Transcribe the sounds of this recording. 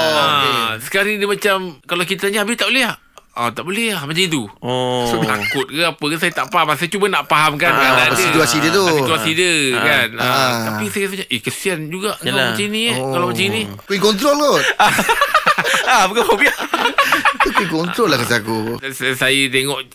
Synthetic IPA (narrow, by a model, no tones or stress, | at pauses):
asə̥kaɾiŋdəmat͡ʃamkalawkit̪aɲiabɪt̪aʔboleh | at̪aʔboleahmat͡ʃamit̪̬uosobt̪akʊt̪̚kaapəkasajat̪aʔpaɦamas̬ajat͡ʃubanaʔpaɦamkankanadəit̪uasidət̪usit̪uasidəkanat̪apisajas̬aɲaʔekəsiand͡ʒuɡaʔkalat͡ʃainĩkalamat͡ʃainĩ | kuikɔnt̪̬ɾolkoa | abukafabia | ukuikɔnɾɔlahkasakussajat̪eŋɔʔ